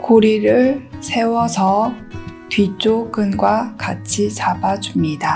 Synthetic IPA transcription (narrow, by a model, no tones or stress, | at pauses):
koɾiɾɯɭsʰe̞wʌsʰʌ | pɥit͡ɕ͈oɡɯnɡwakat͡ɕʰit͡ɕabad͡ʑumɲida